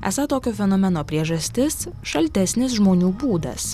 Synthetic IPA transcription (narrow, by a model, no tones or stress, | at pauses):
æ̰sɐt̪oːkʲoːfʲɛnɔːmʲɛnoːpʲɾʲiɛʒɐsʲt̪ʲɪsʃɐlʲt̪ʲɛsʲnʲɪs̬ʒmoːnʲuːbuːd̪ɐ̰s